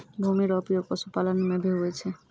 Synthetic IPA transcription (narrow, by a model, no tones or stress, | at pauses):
bʱumiɾɔpijokɔsupalanumebʱeɦuet͡ʃʰe